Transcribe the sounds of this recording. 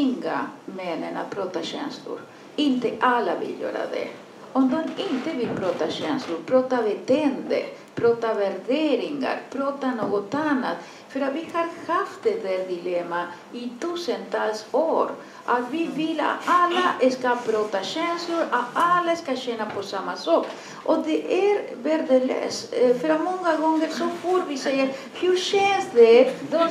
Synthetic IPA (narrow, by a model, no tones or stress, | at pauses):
ɪŋɡa̰mɛnːəna̰pʰɾoːt̪aɕɛ̰nslʊ̰ɾ | ɪnt̪əʔalːavɪ̰ljø̰ːɾa̰d̪ɛ̰ | ɔmd̪ɔmɪnt̪əvɪlpʰɾoːt̪aɕɛnslʊɾpʰɾoːt̪avɛt̪ʰɛnd̪ə̰ɾ | pɾoːt̪avɛɾd̪eːɾɪŋa̰ɾpʰɾoːt̪anoːɡɔt̪anːa̰t̪ | fœɾat̪vɪhaɾhaft̪̚d̪ɛd̪ɛɾd̪ɪlɛmːa | ɪt̪ʉːsənt̪ʰɑːlsoːɾ | ʔat̪vɪvɪlːa̰t̪alːaʔskapɾɔːt̪aɕɛnslʊɾat̪alːaskaɕɛnːapʰɔsamːasɔːk | ʔɔd̪ɛʔæɾ | vɛɾd̪əlø̰ːsfœɾamɔŋːaɡɔŋːəɾsɔfoɾvɪsɛjəɾ | hʉɕɛnsd̪ɛd̪ɔ